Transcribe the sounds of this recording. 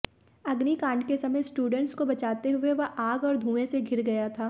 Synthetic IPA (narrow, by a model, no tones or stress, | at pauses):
ɐɡnikãːɳɖ̚kesɐməjsʈuːɖə̃ɳʈskobɐt͡ʃaːt̪eɦʊeʋɐɦaːɡɔːɾd̪ʱũːẽseɡʱɪɾɡɐjat̪ʰaː